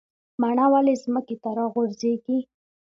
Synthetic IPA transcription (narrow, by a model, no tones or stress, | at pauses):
maɳawalezməket̪aɾɑɣʊɾzeɡi